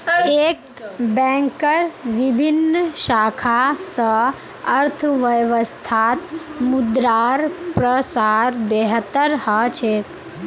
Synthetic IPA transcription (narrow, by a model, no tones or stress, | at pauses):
ek | bɛ̃ŋkəɾʋibʱinːʃaːkʰasə | əɾt̪ʰəʋəjʋəst̪ʰaːt̪mud̪ɾaːɾpɾəsaːɾbeɦət̪əɾhət͡ʃʰeːk